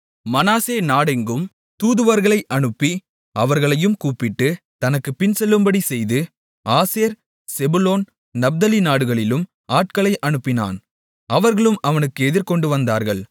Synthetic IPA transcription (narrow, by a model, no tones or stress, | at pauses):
mɐnaːseːnaːɽɪŋɡɯm | t̪uːðɯʋɐɾɣɐɭɐɪʔɐɳɯpːi | ɐʋɐɾɣɐɭɐjɯmkuːpːɪʈːɯ | t̪ɐnɐkːɯpɪnsɛlːɯmbɐɽisɛjðɯ | aːseːɾ | sɛbʊloːn | nɐb̚d̪ɐlinaːɽɯɣɐɭɪlɯm | aːʈ̚kɐɭɐɪʔɐɳɯpːɪna̰ːn | ɐʋɐɾɣɐɭɯmɐʋɐnɯkːɯɛðɪɾkɔɳɖɯʋɐnd̪aːɾɣɐɭ